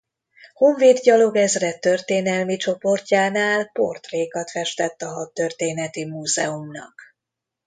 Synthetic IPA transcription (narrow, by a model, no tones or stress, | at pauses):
ho̞ɱveːd̪ɟɒlo̞ɡɛzrɛt̪ːørt̪eːnɛlmit͡ʃo̞po̞rcaːnaːlpo̞̰rt̪reːkɒt̪fɛʃt̪ɛt̪ːɒɦɒt̪ːø̞rt̪eːnɛt̪imuːzɛumnɒ̰k